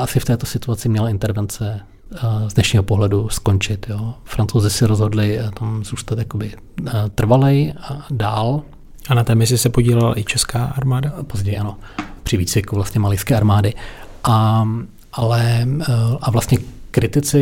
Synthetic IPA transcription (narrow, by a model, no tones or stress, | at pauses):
ʔasɪft̪ɛːt̪o̞sɪt̪uat͡sɪmɲɛlaɪnt̪ɛɾvɛnt͡sɛ | zdnɛʃɲiːɦopoɦlɛdusko̞nt͡ʃɪt̪joːfɾant͡sowzɪsɪɾozɦo̞dlɪt̪amz̥uːst̪at̪jako̞bɪ | t̪r̩valɛjdaːl | ʔanat̪ɛːmɪs̬ɪsɛpoɟiːlɛla̰ʔɪt͡ʃɛskaːʔaɾmaːdapo̞zɟɛjʔano̞pr̝̥ɪviːt͡svɪkuvlast̪ɲɛmalɪjskɛːaɾmaːdɪʔa | ʔalɛ | ʔavlast̪ɲɛkɾɪt̪ɪt͡sɪ